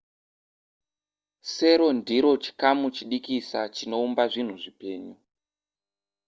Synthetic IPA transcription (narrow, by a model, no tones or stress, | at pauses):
se̞ɾo̞ndiɾo̞t͡ʃi̥kamut͡ʃiɗikisa̰t͡ʃino̞umbaʐin̤uʐipe̞ːɲu